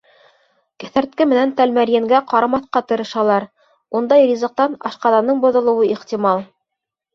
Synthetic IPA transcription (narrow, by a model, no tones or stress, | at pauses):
kæ̥θæɾt̪̚kɘmɘ̆nænt̪ælmæɾjæŋɡæqɑɾɑmɑθqɑt̪ɤ̆ɾɤ̆ʃɑlˠɑɾ | und̪ɑjrʲizɤ̆q̚t̪ɑnɑʃqɑðɑnɤɴbŏðɤ̆lˠɤ̆wɤiχt̪ʲimɑlˠ